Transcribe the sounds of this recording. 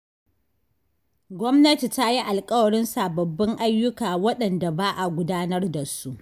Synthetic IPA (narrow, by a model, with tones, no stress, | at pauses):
ɡʷɔ˦mnɐ˦ti˨ta˦ji˦ʔa˨lkʼɐ˦wɐ˨ɽɪ˦nsaː˨bɐ˨bːɪ˦ŋʔa˦jːʊ˦kaː˨wɐ˦ɗɐ˨nda˨baː˦ʔa˨ɡʷʊ˦daː˦nɐ˦rda˨su˦ʔ